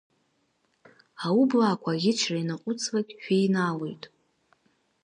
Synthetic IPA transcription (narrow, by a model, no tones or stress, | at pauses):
aʊblaːkʷʰaɡʲɪt͡ʃʰrainaqʷʼʊt͡sʰʼlakʲʼʃᶣejnale̞jtʼ